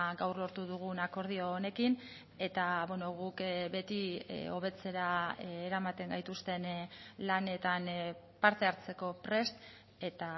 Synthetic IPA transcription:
ɡawrlo̞ɾt̪uðuɣ̞unako̞ɾð̞io̞ːne̞kin | e̞t̪aβeno̞ɣukbe̞t̪io̞β̞e̞t͡se̞ɾaːɾamat̪e̞ŋɡajt̪ust̪e̞nlane̞t̪an | paɾt̪e̞aɾt͡se̞ko̞pɾe̞st̪ | e̞t̪a

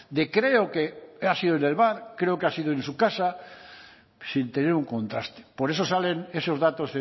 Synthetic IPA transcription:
d̪ekɾe̞okeasiðoene̞lβaɾkɾe̞okeasiðoensukasa | sint̪e̞neɾuŋkõ̞nt̪ɾa̰st̪e̥poɾe̞so̞saleneso̞zðat̪oze

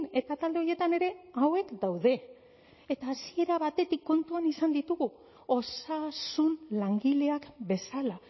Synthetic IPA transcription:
ne̞t̪at̪ald̪e̞o̞je̞t̪ane̞ɾe̞awe̞kd̪awðe̞ː | t̪aːsie̞ɾaβat̪e̞t̪ikːo̞nt̪uanisand̪it̪uɣu | o̞sasunlaŋɡileakbe̞sala

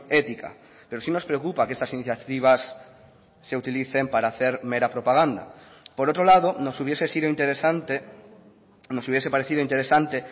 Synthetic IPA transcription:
ɛt̪ika̰ | peɾosinospɾeokupakest̪asiniθjat̪iβ̞asː | eut̪iliθempaɾaθeɾmeɾapɾopaɣ̞and̪a̰poɾowt̪ɾolaðonosuβjesesiðoint̪eɾesant̪e | nosuβjesepaɾeθiðoint̪eɾesant̪e

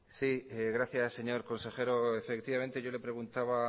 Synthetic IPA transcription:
siɣɾaθjase̞ɲo̞ɾko̞nse̞xe̞ɾoefekt̪iβament̪e̞ʝo̞le̞pɾe̞ɣunt̪aβa

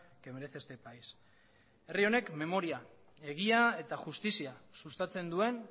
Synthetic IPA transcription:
kemeɾeθest̪e̞pajs | e̞rio̞ne̞kme̞mo̞ɾia | e̞ɣ̞iae̞t̪aʝust̪isiasust̪at͡se̞nd̪ue̞n

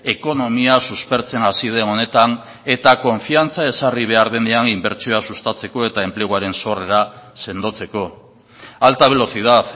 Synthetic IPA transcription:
e̞ko̞no̞miasuspe̞ɾt͡se̞nasið̞e̞no̞ne̞t̪an | e̞t̪ako̞ɱfiant͡sae̞sariβ̞e̞aɾðe̞nd̪eanimbe̞ɾt͡sio̞asust̪at͡se̞ko̞e̞t̪ae̞mple̞ɣ̞uaɾe̞nso̞re̞ɾase̞nd̪o̞t͡se̞ko̞ | alt̪aβ̞e̞lo̞θið̞aθ

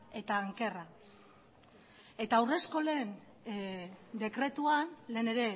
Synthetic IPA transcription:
e̞t̪aːŋke̞ra | e̞t̪awre̞sko̞le̞ːn | d̪e̞kɾe̞t̪uanle̞ːne̞ɾe̞

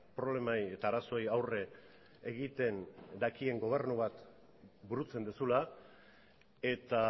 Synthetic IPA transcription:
pɾo̞β̞le̞maje̞t̪aːɾaso̞jawre̞ | eɣit̪e̞nd̪akie̞ŋɡo̞β̞e̞ɾnuβat̪ | buɾut͡se̞nd̪usula | e̞t̪a

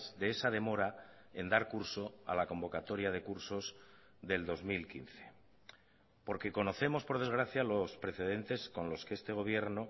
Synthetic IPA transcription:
zðeesað̞e̞mo̞ɾa | e̞nd̪aɾkuɾso̞a̰lako̞mbo̞kat̪o̞ɾjað̞e̞kuɾso̞z | ðe̞ld̪o̞zmilkin̟θe̞̥ | po̞ɾke̞ko̞no̞θe̞mo̞spo̞ɾð̞ezɣɾaθjalo̞spɾe̞θe̞ð̞e̞nt̪e̞sko̞nlo̞skee̞st̪e̞ɣ̞o̞β̞je̞ɾno

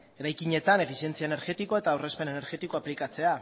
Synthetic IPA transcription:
e̞ɾajkiɲe̞t̪ane̞fisije̞nt͡siaene̞ɾɣe̞t̪iko̞e̞t̪aːwre̞spe̞ne̞ne̞ɾɣe̞t̪iko̞aplikat͡se̞a

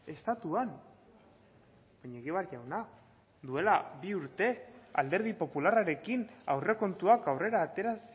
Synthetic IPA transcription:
e̞st̪at̪uan | b̥aɲaeɣiβaɾʝawna | d̪ue̞labiuɾt̪e̞a̰ld̪e̞ɾð̞ipo̞pularaɾe̞kinawre̞ko̞nt̪uakawre̞ɾaːt̪e̞ɾas

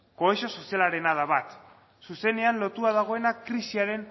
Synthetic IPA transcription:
ko̞eʃo̞so̞sialaɾe̞naðaβat̪ | suse̞ne̞anlo̞t̪uað̞aɣ̞o̞e̞nakɾisiaɾe̞n

